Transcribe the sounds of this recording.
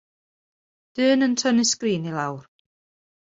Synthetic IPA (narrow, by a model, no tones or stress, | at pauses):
d̥ɨːnəntʰənɨskriːnilˠawr